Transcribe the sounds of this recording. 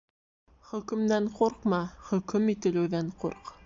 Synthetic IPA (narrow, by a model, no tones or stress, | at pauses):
χɵ̆kɵ̆md̪æɴquɾqmɑχɵ̆kɵmit̪ɘ̆lɘ̆wðæɴqṵɾq